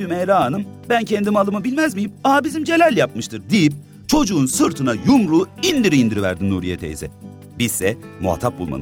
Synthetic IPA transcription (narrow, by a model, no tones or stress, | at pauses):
ymejɾaːnɯmbæncʰend̪imalˠɯmɯbilʲmæzmijimaabizimd͡ʒe̞lʲælʲjap̚mɯʃt̪ʰɯɾd̪ijip̚ | t͡ʃʰo̞d͡ʒuːnsɯɾt̪ʰɯnajumɾuːind̪iɾiːnd̪iɾivæɾd̪imnuːɾijet̪ʰḛjḭzɛ | bizsɛmṵa̰t̪ʰap̚bṵlˠma̰ɯ